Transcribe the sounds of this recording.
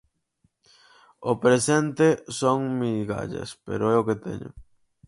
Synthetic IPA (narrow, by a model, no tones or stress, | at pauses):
opɾesent̪esoŋmiɣa̰ʎɐ̰spḛɾoɛoket̪ḛɲʊ̰